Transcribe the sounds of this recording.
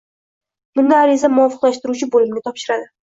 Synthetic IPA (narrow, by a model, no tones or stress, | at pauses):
b̥ʊnd̪aːɾizamʊɒfɨqlaʃt̪ɪɾut͡ʃʰɪbolɪmnɪt̪ʰɒpʃɪɾad̪ɪ